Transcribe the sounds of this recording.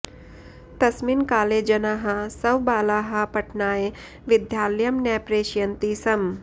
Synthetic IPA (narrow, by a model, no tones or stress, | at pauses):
t̪ɐsminkaːleːd͡ʒɐnaːɦasɐwbaːlaːɦapɐʈnaːe | ʋɪd̪jaːljɐmnɛːpɾeːʃjɐnt̪isɐm